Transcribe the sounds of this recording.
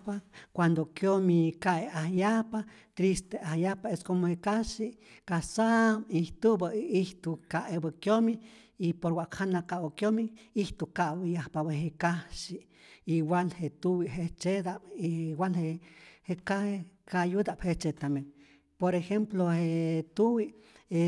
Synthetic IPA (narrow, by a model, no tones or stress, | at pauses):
pakʷand̪okjomikaʔeahjahpa | t̪ɾist̪eahjahpaeskomohekaʃiʔkasabiht̪ubaiht̪ukaʔebakjomi | ipoɾwʷaʔkhanakaʔwakjomiiht̪ukaʔwijahpabeɦekaʃiʔ | iwalhet̪uwiʔɦet͡ʃed̪aʔiwalhehekaekajud̪aʔphet͡ʃet̪amen | poɾexemplohet̪uwiʔe